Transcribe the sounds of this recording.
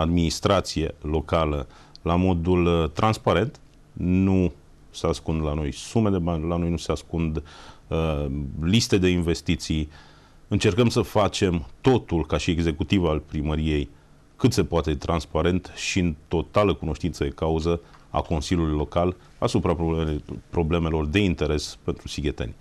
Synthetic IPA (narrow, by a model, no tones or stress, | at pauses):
ad̪minist̪ɾat̪sijelo̞kalə | lamo̞d̪ult̪ɾanspaɾe̞nt̪ | nu | seaskund̪lano̞jsume̞d̪e̞banʲlano̞jnuseaskund̪əlist̪e̞d̪einve̞st̪it̪si | ɨnt͡ʃe̞rkəmsəfat͡ʃe̞mt̪o̞t̪ulkaʃieɡze̞kut̪ivalpɾiməɾije̞j | kɨt̪se̞poat̪e̞t̪ɾanspaɾe̞nt̪ʃiɨnt̪o̞t̪aləkuno̞ʃt̪int̪səd̪ekauzə | a̰ko̞nsilʲjulujlo̞kal | asupɾapopɾo̞ble̞me̞lo̞rd̪e̞int̪e̞ɾe̞spe̞nt̪ɾusiɡʲe̞t̪e̞̰nʲ